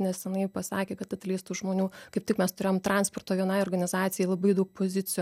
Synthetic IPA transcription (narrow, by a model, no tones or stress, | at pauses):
nʲɛst̪ʲɛnɐɪpɐsɑːkʲeːkɐt̪ɐt̪ʲlʲɛɪst̪uːʒmoːnʲuːkɐɪp̚tʲɪkmʲɛst̪ʊɾʲeːjomt̪ɾɑnspoːrt̪oːʋʲiɛnɐɪoːrɡɐnʲɪzɑːt̪sʲɪjɛɪlˠɐbɐɪd̪ɐʊk̚pozʲɪt͡s̪ʲɪjo